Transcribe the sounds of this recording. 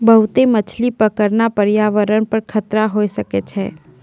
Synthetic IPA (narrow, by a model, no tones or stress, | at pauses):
bəɦʊt̪emət͡ʃʰlipəkəɾnapəɾjaːʋəɾənpəɾkʰət̪ɾaɦoːesəket͡ʃʰɛ̰ː